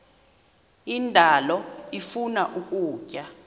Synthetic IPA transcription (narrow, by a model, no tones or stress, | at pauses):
indʱalɔifunaʔukʼuːcʼa